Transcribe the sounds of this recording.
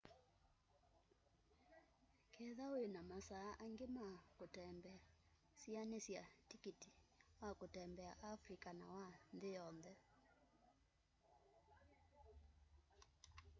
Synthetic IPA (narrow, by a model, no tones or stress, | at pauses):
kʰɛðaoenamasaːʔaŋɡemakotɛmbɛa | sianesjatikiti̥wakotɛmbɛaʔafɾikana̰wanðejɔnðɛ